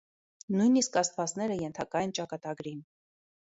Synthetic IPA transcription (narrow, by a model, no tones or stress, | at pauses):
nujniskɑst̪vɑt͡snɛɾəjɛnt̪ʰɑkɑjɛnt͡ʃɑkɑt̪ɑɡɾin